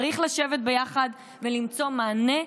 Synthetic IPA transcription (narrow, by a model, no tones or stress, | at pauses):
ʁiχlaʃe̞vet̪̚bejaχad | velimt͡so̞maːne̞